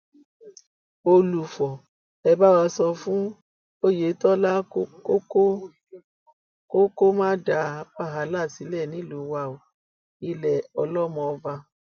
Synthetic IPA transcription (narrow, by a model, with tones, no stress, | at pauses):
o˧lu˨fɔ˨ | ɛ˧ba˦wa˧sɔ˧fũ˦ | o˦je˨˦tɔ˦la˦ko˦ko˦ | ko˦ko˦mãː˦da˧˦k͡pa˦˨ɦa˨˦la˦˨si˨˦lɛ˦˨nĩ˨˦lu˨˦wa˧˨o˨ | i˧lɛ˨ɔ˧lɔ˦mɔ̃˧va˧